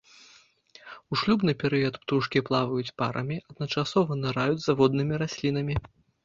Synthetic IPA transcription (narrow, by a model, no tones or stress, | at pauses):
uʂlʲubnɨpʲɛɾɨjɐt̪pt̪uʂkʲiplˠavɐjut͡sʲpaɾʔɐ̰mʲiʔɐd̪nɐt͡ʂasɔvɐnɨɾajud͡zʲzavɔd̪nɨmʲiɾasʲlʲin̪ɐmʲi